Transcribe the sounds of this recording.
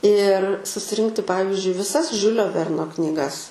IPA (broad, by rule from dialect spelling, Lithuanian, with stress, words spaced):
ɪr sʊsʲɪˈrʲɪŋktʲɪ ˈpɑːʋʲɪzʲd͡ʒʲʊɪ ʋʲɪˈsɐs ˈʒʲʊlʲoː ˈʋʲɛrnoː knʲiːˈɡɐs